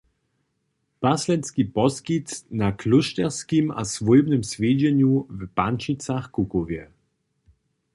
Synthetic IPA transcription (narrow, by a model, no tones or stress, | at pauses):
b̥aslɛnskibɔskitnakʰlʊʃtɛʁskima̰svuɪbnəmsveːdənjuvəbant͡ʃit͡saχkukoviɛ